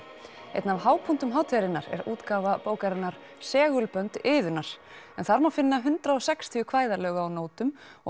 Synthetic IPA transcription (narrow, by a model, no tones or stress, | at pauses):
ḛjt̪navɦaːwpʰun̥t̪ʏmɦaːwt̪ʰvɛɾɪnaɾɛ̰ɾuːt̪kaːvapoːwkaɾɪnːaɾ̥ | sɛːɣʏlpœnt̪ɪːðʏnːaɾ̥ | ɛnθaɾmawfɪnːaɦʏnt̪ɾaðɔsɛkst̪ʰiʏkʰv̥aːjðalœːɣaːwnoːwt̪ʏm | ɔ